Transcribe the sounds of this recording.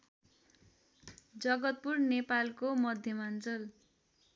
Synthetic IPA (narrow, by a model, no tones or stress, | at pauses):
d͡zʌɡʌt̪̚purnepalkomʌd̪ʱjʌmant͡sʌl